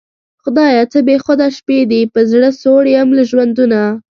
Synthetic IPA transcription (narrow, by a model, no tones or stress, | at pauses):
xʊd̪ɑjɑt͡səbexʊd̪aʃped̪ipəzɽəsoɽamlaʒwand̪una